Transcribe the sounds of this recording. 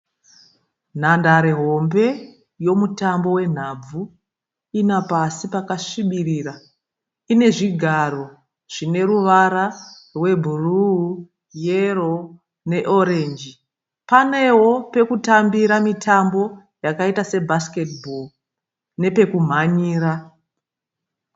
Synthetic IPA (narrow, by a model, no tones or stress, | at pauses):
n̤andaɾeɦo̞mbe̞ | jo̞mutambo̞we̞n̤ab͡vu | inapasipakaʂiɓiriːra | ine̞ʐiɡʱaɾo̞ | ʐ̥ine̞ɾuʋaɾa | rwe̞bʱuru | jero̞ | ne̞ʔo̞ɾe̞nd͡ʒi | pane̞wo̞pe̞kutambiɾamitʰambo̞ | jakaitase̞bʱaske̞tbʱol | ne̞pe̞kum̤aɲiːɾa